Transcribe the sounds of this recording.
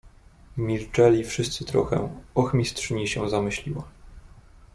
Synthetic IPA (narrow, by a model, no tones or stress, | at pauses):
mʲilt͡ʂɛlʲifʂɘst̪sɘt̪ɾɔ̰xɛ̰ɔxmʲistʂɘɲiɕɛzamɘɕlʲiwa̰